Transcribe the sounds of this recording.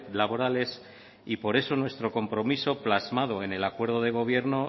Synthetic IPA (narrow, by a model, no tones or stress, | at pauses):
laβo̞ɾale̞s | ipo̞ɾe̞so̞nwe̞st̪ɾo̞ko̞mpɾo̞miso̞plazmað̞o̞e̞ne̞lakwe̞ɾðoð̞e̞ɣ̞o̞β̞je̞ɾno̞